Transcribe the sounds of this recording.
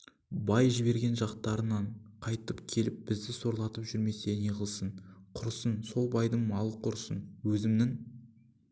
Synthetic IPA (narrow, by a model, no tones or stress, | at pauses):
bɑjʒɪβe̞ɾɡʲe̞nʒɑqt̪ɑɾənɑɴqʰɑjt̪əpkʲʰe̞lɪp̚bɪzd̪ɪso̞ɾlˠɑt̪əpʒʏɾme̞se̞neʁəlˠsəɴqʰʊɾsənso̞lˠbɑjd̪əɴmɑlˠəqʰʊɾsənwɵzɪmnɪŋ